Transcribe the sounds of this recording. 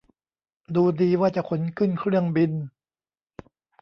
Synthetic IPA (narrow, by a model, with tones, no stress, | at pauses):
duː˧diː˧waː˥˩t͡ɕa˨˩kʰo˩˦nkʰɯ˥˩nkʰɾɯ˥˩əŋbi˧n